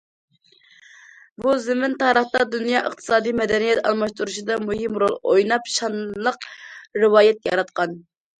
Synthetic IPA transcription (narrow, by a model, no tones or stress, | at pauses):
buzɪmɪnt̪ɑɾəχt̪ɑd̪unjɑʔəχt̪ʰɨ̥sɑːd̪ijmɛd̪ɛnijɛt̪ɑ̰lˠmɑʃt̪uɾuʃid̪ɑmuɦɪmɾolˠo̰jnɑpʃɑnlˠəqɾɪwɑːjɛt̪̚ʲjɑɾɑt̪qɑn